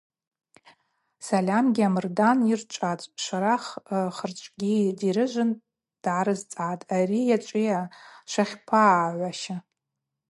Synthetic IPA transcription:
salʲamɡʲiamɨrdanirt͡ʃʷʼat͡sʷʼʃʷaɾaχχərt͡ʃʷʼɡʲidiɾɨʒʷɨn | d̥ʕaɾɨzt͡sʼatʼarijat͡ʃʷʼijaʃʷaχʲpʰaʕʷaʃa

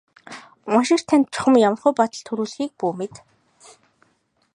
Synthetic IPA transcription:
ʊnʃɪ̆r̥t̪ʰænt̪̚t͡ɕʊ̥χə̆mjamə̆rχʊjpɔt̪ə̆ɬt̪ʰɵɾuːɮxiːk̚puːmet̪

